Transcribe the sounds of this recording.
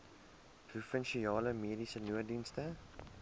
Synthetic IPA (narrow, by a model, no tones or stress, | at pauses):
prufənʃiɑːləmeːɾisənuədinstə